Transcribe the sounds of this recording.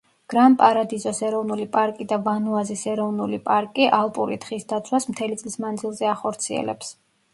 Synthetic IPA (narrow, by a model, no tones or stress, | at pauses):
ɡ̥ɾampʼaɾad̪izɔsɛɾɔvnulipʼaɾkʼid̪avanuazisɛɾɔvnulipʼaɾkʼiʔalˠpʼuɾit̪χisd̪at̪sʰwasmt̪ʰɛlit̪sʼlismand̪zilˠzɛaχɔɾt̪sʰiɛ̰lɛ̰ps